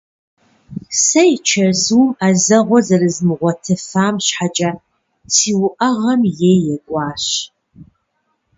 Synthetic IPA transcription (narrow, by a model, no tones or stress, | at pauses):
sɐjt͡ʃʰɐzuwmɐzɐʁʷɔzɐrɨzmɨʁʷɔtʰɨfaːmɕħat͡ʃʼa | siːwʊʔɐʁɐmjeːjɛɡʷʼɑːɕ